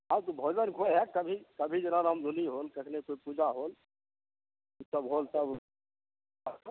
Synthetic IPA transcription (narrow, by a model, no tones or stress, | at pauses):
awt̪obʱod͡ʒənkʰoɦɛkəbʱikəbʱid͡ʒenaɾamd̪ʱuniɦolkəkʰnekoipud͡ʒaɦol | usəbɦolsəb